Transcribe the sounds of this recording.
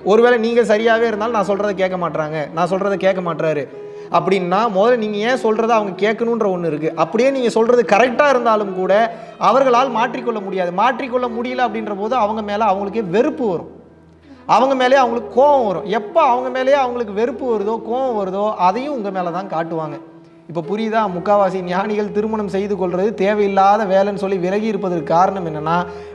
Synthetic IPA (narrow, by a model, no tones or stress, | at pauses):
ɔɾɯʋeːlɛniːŋɡɐs̬ɐɾɪjaːʋeːɪɾɯnd̪aːlnãːsɔlrɾɐðɯk̬eːʈkːɐmaːʈːɾaːŋɡɐnãːs̬ɔlrɐðɯkeːʈkːɐmaːʈɾaːɾɯ | ʔɐpːɐɽɪnːaːmɔðɐlniːŋɡɐẽːsɔlrɐðɯɐʋɐŋɡɐkeːʈkːɐnʊ̃nɾɐɔnːɯɪɾɯkːɯʔɐpːɐɽɪjeːniːŋɡɐsɔlrɐðɯkɐɾɛk̚ʈaːɪɾɯnd̪aːlɯmkuːɽɐ | ɐʋɐɾɣɐɭaːlmaːʈrikːɔɭːɐmʊɽɪjaːðɯmaːʈrikːɔɭːɐmʊɽɪjɐlɐɐpːɐɽɪnrɐpoːðɯɐʋɐŋɡɐmeːlɐɐʋɐŋɡɐɭɯk̬ːeːʋɛɾɯpːɯʋɐɾʊ̰̃ | ɐʋɐŋɡɐmeːlɐjeːɐʋɐŋɡɐɭɯkːɯkoːʋɐ̃ʋɐɾʊ̃ɛpːoːɐʋɐŋɡɐmeːlɐjeːɐʋɐŋɡɐɭɯkːɯʋɛɾɯpːɯʋɐɾɯðoːkoːʋɐ̃ʋɐɾɯðoːʔɐðɐjʊ̃ʊŋɡɐmeːlɐt̪ãːnkaːʈːɯʋaːŋɡɐ | ɪpːoːpʊɾɪjðãːmʊkːaːʋaːsinɪjaːɳɪɣɐɭt̪ɪɾɯmɐɳɐmsɛjðɯkːɔɭrɐðɯt̪eːʋɐjɪlːaːðɐʋeːlɛnɯsɔlːiʋɪlɐɣiɪɾɯp̬ːɐðɐkːɯkːaːɾɐɳɐmɛnːɐnːaː